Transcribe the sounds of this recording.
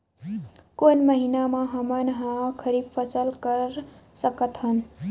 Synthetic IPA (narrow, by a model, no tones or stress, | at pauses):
konməɦinamãɦəmənəɦə̃kʰəɾib̚pʰəsəlkəɾsəkət̪ɦən